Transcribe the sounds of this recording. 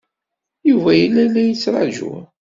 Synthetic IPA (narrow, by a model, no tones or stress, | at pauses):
juvæjəlːælːæjət͡sːɾˤɑ̰ʒṵ